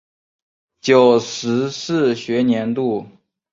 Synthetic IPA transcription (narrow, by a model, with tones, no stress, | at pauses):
t͡ɕjo˨˩ʊʂɻ̩˧˥sɹ̩˥˩ɕɥɛ˧˥njɛ˧˥nt̪u˥˩